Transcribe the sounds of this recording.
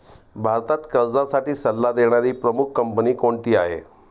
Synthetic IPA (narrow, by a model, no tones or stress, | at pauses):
bʱaɾt̪at̪kəɾd͡zasaʈiːsəlːad̪eɽ̃aɾiːpɾəmuk̚ʰkəmpəniːkoɳt̪iːaɦḛ